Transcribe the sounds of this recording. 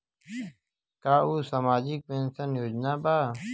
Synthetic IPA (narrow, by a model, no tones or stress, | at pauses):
kaːuːsamaːd͡ʑiːk̚pẽːnsənjoːd͡ʑnaːbaː